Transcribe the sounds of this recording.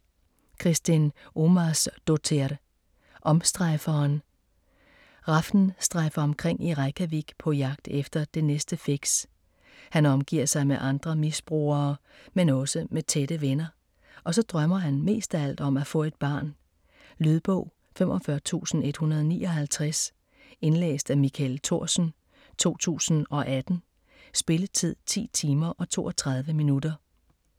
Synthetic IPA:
kʰʁisd̥ino̝mæsd̥ot͡sʰeɐɾ̥ | ʔɒ̽msd̥ʁɑɪfɐːn | ʁɑfn̩sd̥ʁɑ̈ɪfɐɒ̽mkʰʁeŋ̰iʁɑ̈ɪkʰæʋiɡ̥pʰɒ̽jɑ̈ɡ̥̚d̥efd̥ɐd̥e̝nesd̥əfiɡ̥s | hænɒ̽mɡ̥ḭɐ̰sɑ̈ɪmeʔɑ̈nd̥ʁɐmisb̥ʁṵːɐːmenɒ̽səmet͡sʰed̥əʋenɐ | ʔɒ̽sɒ̽d̥ʁɶmɐɦænme̝̰ːsd̥æl̰d̥ɒ̽mæfɔ̰̽ːe̝d̥̚b̥ɑ̰̈ːn | lyðˠb̥ɔʊ̰ | fem̰ʔɒ̽fɶɐt͡sʰṵːsn̩e̝d̥hunɐð̞ˠɒnḭːɒ̽ɦælt͡sʰʁas | e̝nlḛːsd̥æmikʰælt͡sʰo̝ɐ̰sn̩ | t͡sʰo̝̰ːt͡sʰṵːsn̩ɒ̽ʔæd̥n̩ | sb̥e̝lət͡sʰið̞̰ˠt͡sʰḭːt͡sʰiːmɐʔɒ̽t͡sʰo̝̰ːʔɒt͡sʰʁɑ̈ð̞ˠʋəminud̥ɐ

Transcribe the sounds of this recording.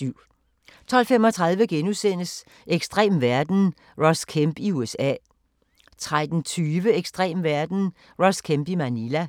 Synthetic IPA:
yʊ̰ | t͡sʰɒ̽l̰femɒ̽t͡sʰʁɑ̈ð̞ˠʋəɡ̥enusen̰əs | ʔeɡ̥sd̥ʁḛːmʋæɐd̥n̩ | ʁɒ̽skʰemb̥iuesɛ̰ː | t͡sʰʁad̥n̩t͡sʰyːʋəeɡ̥sd̥ʁɛ̰ːmʋæɐd̥n̩ | ʁɒskʰemb̥imænilæ

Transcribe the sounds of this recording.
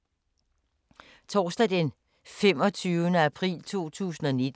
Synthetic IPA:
t͡sʰɒ̰ːsd̥ɛd̥en | fem̰ɒ̽t͡sʰyːʊənəæpʰʁḭːlt͡sʰo̝̰ːt͡sʰṵːsn̩ɒ̽ne̝d̥

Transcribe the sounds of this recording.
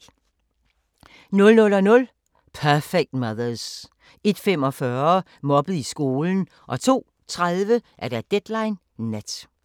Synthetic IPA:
nɔ̽lnɔ̽lɒnɔ̽l | pʰæfeɡ̥̚d̥mɑðˠɐs | e̝d̥femɒ̽fɶɐ | mɒ̽b̥ð̩ˠisɡ̥o̝ːln̩ | ʔɒ̽t͡sʰo̝̰ː | t͡sʰʁaðˠʋəʔæɐd̥æd̥ed̥lɑ̈ɪnː | æd̥

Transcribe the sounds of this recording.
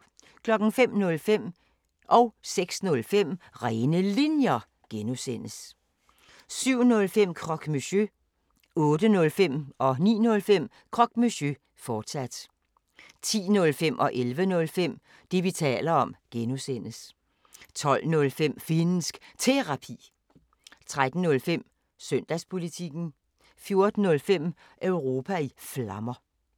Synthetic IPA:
kʰlɒ̽ɡ̥n̩fem̰nɔ̽lfem̰ | ʔɒ̽ʊseɡ̥snɔ̽lfem̰ʁaːnəlinjɐ | ɡ̥enusen̰əs | syʊ̰nɔ̽lfem̰kʰʁɒ̽ɡ̥myɕø | ɔ̽ːd̥ənɔ̽lfem̰ɒ̽nḭːnɔ̽lfem̰ | kʰʁɒ̽ɡ̥myɕø | fɒːd̥sæd̥ | t͡sʰḭːnɔ̽lfem̰ʔɒ̽ʔelʋənɔ̽lfem̰ | d̥e̝ʋit͡sʰɛ̰ːlɐɒ̽mɡ̥enusen̰əs | t͡sʰɒ̽l̰nɔ̽lfem̰fensɡ̥t͡sʰe̝ʁɑ̈pʰḭː | t͡sʰʁad̥n̩ːɔ̽lfem̰ | søn̰d̥æspʰo̝lit͡sʰiɡ̥n̩ | fjo̝ɐd̥n̩ːɔ̽lfem̰ | ʔøʊʁo̝ːpʰæiflɑ̈mɐ

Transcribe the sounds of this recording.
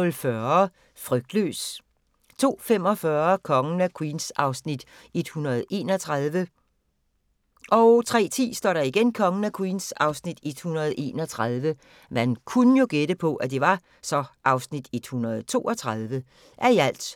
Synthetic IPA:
ɔlfɶɐɐɐ | fʁœɡ̥̚d̥lø̰ːs | t͡sʰo̝̰ːfem̰ɒ̽fɶɐkʰɒ̽ŋənækʰwiːnsɑ̈ʊsnid̥ | e̝d̥hunɐð̞̩ˠe̝̰ːnɒ̽t͡sʰʁɑðˠʋə | ʔɒ̽ʊt͡sʰʁɛ̰ːt͡sʰḭːsd̥ɒ̰ːɾɑiɡ̥enkʰɒ̽ŋənækʰwiːnsɑ̈ʊsnid̥e̝d̥hunɐð̞̩ˠʔe̝̰ːnɒt͡sʰʁɑð̞ˠʋə | mænkʰunəjo̝ɡ̥ed̥əpʰɒ̽ʔæd̥e̝ʋɑ̈ | sɒ̽ʔɑ̈ʊsnid̥e̝d̥hunɐð̞̩ˠt͡sʰo̝̰ːʔɒ̽t͡sʰʁɑð̞ˠʋə | ʔæɐiæl̰d̥

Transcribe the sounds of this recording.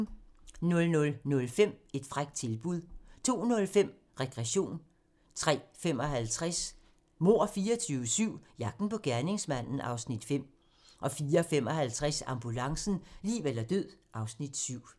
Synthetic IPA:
nɔ̽lnɔ̽lnɔ̽lfem̰e̝d̥fʁaɡ̥̚d̥̚t͡sʰe̝lb̥uðˠt͡sʰo̝̰ːnɔ̽lfem̰ | ʁɛɡ̥ʁɛɕo̝̰ːn | t͡sʰʁɛ̰ːfem̰ɒ̽ɦælt͡sʰʁas | mo̝ɐ̰fiːɒt͡sʰyːʊəsyʊ̰jɑ̈ɡ̥̚d̥n̩pʰɒ̽ɡ̥æɐne̝ŋsmæn̰n̩ʔɑ̈ʊsnid̥fem̰ | ʔɒ̽fiːɐfem̰ɒ̽hælt͡sʰʁasɑ̈mb̥ulɑ̈ŋsn̩lḭːʋelɐd̥øð̰ˠʔɑ̈ʊsnid̥syʊ̰

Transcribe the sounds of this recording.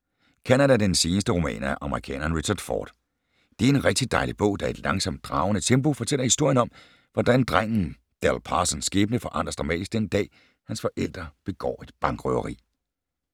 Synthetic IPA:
kʰænædæd̥ense̝ːnəsd̥əʁomɛ̰ːnæʔɑ̈məʁikʰɛ̰ːnɐnʁiɕɐd̥fɒ̰ːd̥ | d̥e̝æɐe̝nʁɛɡ̥̚d̥id̥ɑ̈ɪlib̥ɔ̰̽ʊ̰d̥ɑ̈e̝d̥lɑ̈ŋsɒ̽m̰d̥̚ʁɑ̈ʊnət͡sʰembo̝fɒ̽t͡sʰel̰ɐhisd̥o̝ɐ̰jənɒ̽m | ʋɒd̥ænd̥ʁaŋ̰n̩ | d̥ælˠpʰɑsənsːɡ̥eːb̥ənəfɒ̽ʔɑ̈n̰d̥ʁɐsd̥ʁɑ̈mɛ̰ːd̥isɡ̥̚d̥end̥ɛ̰ː | hænsfɒ̽ʔel̰d̥ʁɐb̥e̝ɡ̥ɒ̰ːe̝d̥b̥ɑ̈ŋɡ̥ʁœʊɐʁḭː

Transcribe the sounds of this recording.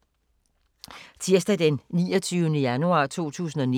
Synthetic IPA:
t͡sʰiɐsd̥æd̥enːiːɒt͡sʰyːʊənəjænuɑ̰̈ːt͡sʰo̝̰ːt͡sʰṵːsn̩ɒ̽ni

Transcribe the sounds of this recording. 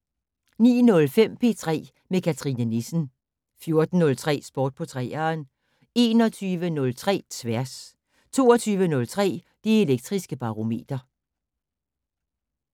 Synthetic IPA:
nḭːnɔ̽lfem̰pʰe̝̰ːt͡sʰʁɛ̰ː | mekʰæt͡sʰʁinənesn̩ | fjo̝ɐd̥n̩ːɔ̽lt͡sʰʁɛ̰ːsb̥ɒːd̥̚pʰɒ̽t͡sʰʁɛ̰ːɐːn | e̝ːnɒ̽t͡sʰyːʋənɔ̽lt͡sʰʁɛ̰ːt͡sʰʋæɐs | t͡sʰo̝̰ːɒt͡sʰyːʋənɔ̽lt͡sʰʁɛ̰ː | d̥eeleɡ̥̚d̥ʁisɡ̥əb̥ɑ̈ʁo̝me̝̰ːd̥ɐ

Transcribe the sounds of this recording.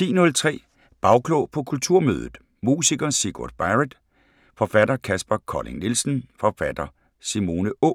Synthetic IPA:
t͡sḭːnɔ̽lt͡sʰʁɛ̰ː | b̥ɑ̈ʊkʰlɔʊpʰɒ̽kʰult͡sʰuɐ̰mø̰ːð̞ˠð̩ˠ | mṵːsiɡ̥ɐsiɡ̥od̥̚b̥ɑɪʁed̥ | fɒ̽fæd̥ɐkʰæsb̥ækʰɒ̰le̝ŋnilsn̩fɒ̽fæd̥ɐ | simo̝ːnəʔɔ̰

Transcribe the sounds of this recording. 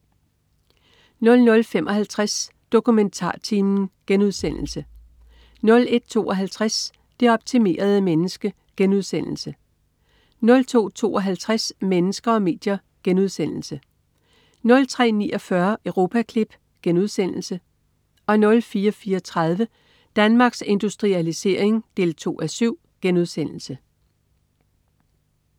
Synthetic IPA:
nlnɔ̽lfemʔɒ̽ɦælt͡sʰʁas | d̥o̝kument͡sʰɑ̰̈ːt͡sʰiːmn̩ɡ̥enuð̞ˠsen̰l̩sə | nɔ̽le̝d̥̚t͡sʰo̝̰ːɒ̽ɦælt͡sʰʁas | d̥e̝ɒ̽b̥̚t͡sʰime̝̰ːɐð̞̩ˠəmenəsɡ̥ə | ɡ̥enuðˠsen̰l̩sə | nɔ̽lt͡sʰo̝̰ːt͡sʰo̝̰ːɒɦælt͡sʰʁasmenəsɡ̥ɐɒ̽me̝̰ːd̥jɐ | ɡ̥enuðˠsen̰l̩sə | nɔ̽lt͡sʰʁɛ̰ːnḭːʔɒ̽fɶɐʔøʊʁo̝ːpʰækʰlib̥ | ɡ̥enuð̞ˠsen̰l̩sə | ɒ̽nɔ̽lfiːɐfiːɐɒ̽t͡sʰʁɑð̞ˠʋə | d̥ænmɑ̈ːɡ̥se̝nd̥usd̥ʁiælise̝ɐ̰e̝ŋd̥e̝̰ːlt͡sʰo̝̰ːʔæsyʊ̰ | ɡ̥enuðˠsen̰l̩sə

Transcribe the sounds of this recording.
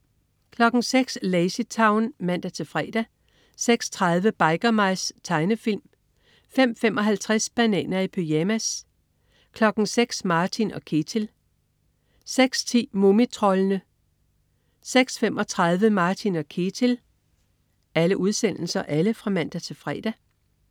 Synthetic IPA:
kʰlɒ̽ɡ̥ŋ̩seɡ̥sleɪsit͡sʰɑ̈ʊnmæn̰d̥æt͡sʰe̝fʁɛːd̥æ | seɡ̥st͡sʰʁɑð̞ˠʋəb̥ɑ̈ɪɡ̥ɐmɑ̈ɪst͡sʰɑ̈ɪnəfil̰m | fem̰femʔɒ̽ɦælt͡sʰʁasb̥ænɛ̰ːnɐipʰøjæmæs | kʰlɒ̽ɡ̥n̩seɡ̥smɑ̈ːt͡sʰinɒ̽kʰet͡sʰel | seɡ̥st͡sʰḭːmomit͡sʰʁɒ̽lənə | seɡ̥sfemɒ̽t͡sʰʁɑ̈ð̞ˠʋəmɑ̈ːt͡sʰinɒkʰet͡sʰel | æləʔuð̞ˠsen̰l̩sɐʔæləfʁɑ̈mæn̰d̥æt͡sʰe̝fʁɛ̰ːd̥æ

